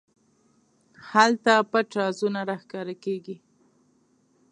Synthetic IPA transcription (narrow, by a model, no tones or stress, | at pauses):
halt̪apəʈɑzunaɾaxkɑɾakeɡi